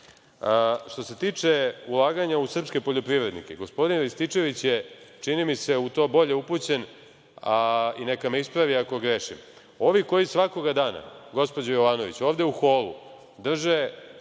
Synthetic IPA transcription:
ʃt̪o̞se̞t̪iːt͡ʂe̞ulˠaːɡaɲausr̩pske̞po̞ʎo̞pɾiʋɾe̞d̪nḭke̞ɡo̞spo̞d̪inɾist̪it͡ʂe̞ʋit͡ɕje̞t͡ʂinimise̞ut̪o̞ːbo̞ʎe̞uput͡ɕe̞n | aine̞kame̞ispɾaʋiako̞ɡɾeʃim | o̞ʋiko̞jisʋako̞ɡad̪aːna̰ɡo̞spo̞d͡ʑajo̞ʋaːno̞ʋḭt͡ɕoːʋd̪e̞uxo̞ːlṵ | d̪r̩ʒe̞

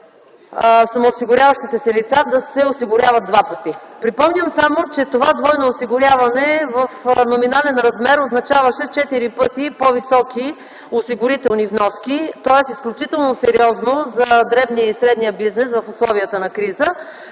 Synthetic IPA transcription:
sɐmoːsiɡʊɾʲjavɐʃt̪it̪ɛsɛlit̪sad̪ɐsɛosiɡʊɾʲjavɐd̪̚d̪vapət̪ipɾipɔmnʲəmsamot͡ʃɛt̪ovad̪vɔjnoːsiɡʊɾʲjavɐnɛvəfnominalɛnɾɐzmɛɾoznɐt͡ʃavəʃɛt͡ʃɛt̪iɾipɤt̪ipovisɔkʰi | osiɡʊɾit̪ɛlˠnivnɔskit̪ɔɛsisklʲut͡ʃit̪ɛlˠnosɛɾiɔznozɐd̪ɾɛvnijəisɾɛd̪nijəbiznɛsvɐfʊslˠɔviət̪ənɐkɾizə

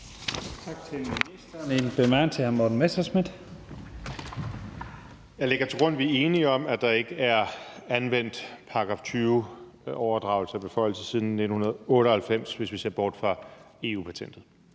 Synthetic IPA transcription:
t͡sʰɑ̈ɡ̥̚t͡sʰe̝lminisd̥ɐːnenb̥emɑnt͡sʰehæɐmɒd̥n̩mesɐsmid̥ | jɑ̈ɪle̝ɡ̥ɐt͡sʰe̝ɡ̥ʁɔ̽n̰ʋie̝ːniɒ̽mæd̥ɑ̈e̝ɡ̥əæɐænʋen̰d̥pʰɑ̈ɡ̥ʁɑ̈ft͡sʰyːʊ | ɒʊɐd̥ʁɑ̈ʊl̩səæb̥e̝fɒ̽ɪ̰l̩səsiːð̞ˠn̩nːe̝d̥n̩hunɐðˠɔ̽ːɾ̥əælfem̰sʋe̝sʋise̝ɐb̥ɒːd̥fʁɑ̈ | e̝ṵːpʰæt͡sʰen̰d̥ð̩ˠ

